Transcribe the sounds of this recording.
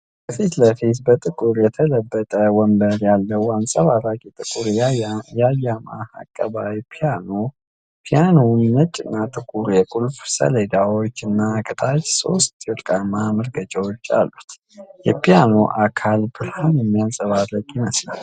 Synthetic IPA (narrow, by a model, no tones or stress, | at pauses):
bəfit̪ləfit̪bət̪ʼɨkʼuɾjɛt̪ʰələbːət̪ʼəwɔmbəɾjalːəwansʼaβaɾakʼit̪ʼɨkʼuɾjajːama̰a̰kʼːəβawpʰijano | pʰijanonːət͡ʃʼːɪnːat̪ʼɨkʼuɾjɛkʼulfsə̰ləd̪awot͡ʃːɨnːakʼɨt̪ʰʼat͡ʃso̞̰st̪ʼot̪ʼkʼamːaməɾɡət͡ʃʼəwot͡ʃːa̰lːut̪ | jɛpijano̞̰ʔakʰalbɨlhanjɛmːijasʼəβarəkʼjɪnəsla̰l